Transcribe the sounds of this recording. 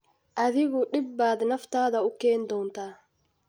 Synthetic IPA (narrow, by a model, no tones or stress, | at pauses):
ʔɐðɪɣʊɗɪbːaːd̪nɐft̪aːðɐʊkɛːnd̪ɔːnt̪ʰaː